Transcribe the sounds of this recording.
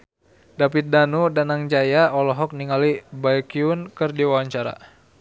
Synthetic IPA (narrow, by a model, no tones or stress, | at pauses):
dapit̪̚danudanaŋd͡ʒajaɔlɔɦɔk̚niŋalibajkiunkɨrdiwawaɲt͡ʃaɾa̰